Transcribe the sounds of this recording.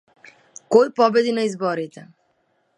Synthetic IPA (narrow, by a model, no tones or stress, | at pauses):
kojpɔbed̪inəjzbɔɾit̪e